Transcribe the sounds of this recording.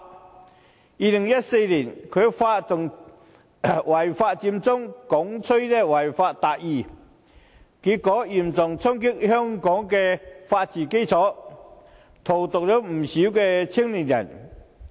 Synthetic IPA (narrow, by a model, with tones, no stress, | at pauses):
i˧li˨˩ŋja˥t̚se˧jli˨˩nkʰø˨˧fa˧tt̪ʊ˨˩ŋ | wa˨˩jfa˧t͡ɕi˧mt͡sʊ˥ŋkɔ˨˦ŋt͡sʰə˥jtɛ˥˧wa˨˩jfa˧tt̪a˨ʔi˧˩ | ki˨˦kɔː˨˦ji˨˩mt͡sɔ˨˩ŋt͡sʰɔ˥ŋki˥k̚hœ˥ŋkɔ˨˥ŋkɛ˧fa˧t̚t͡ɕiː˨˩ke˥jt͡sʰɔ˨˥ | t̪ʰo˨˩wt̪ʊ˨k̚lo˨˥m̩˨˩ɕi˨˦˥wkɛ˧t͡ɕʰi˥əŋli˨˩nja̰˨˩n